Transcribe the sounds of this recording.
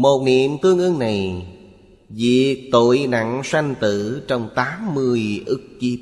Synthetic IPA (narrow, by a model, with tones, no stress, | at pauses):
mo˨˩t̚nḭ˧˨əmt̪ɨ˧əŋʔɨ˧ŋna˨˩j | vḭ˧˨t̪o̰˧˨jna̰˧˨ŋsa˧jŋt̪ɨ˧˩t͡ɕɔ˧wŋ͡mt̪aː˨˦mːɨ˧əjʔɨ˦˥k̚ki˦